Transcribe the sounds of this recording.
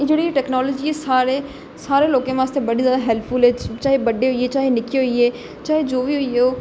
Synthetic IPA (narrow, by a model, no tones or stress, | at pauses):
d͡ʒeːɽieʈɛːknɔːləd͡ʒiesaːɾe | saːɾeloːkẽʋãːst̪ʰebəɽizjaːd̪aɦɛlpʰfʊlɦɛːt͡ʃaːɦebɐɖeɦoieːt͡ʃaːɦenɪkiɦoieː | t͡ʃaːɦed͡ʒoːbiɦoioː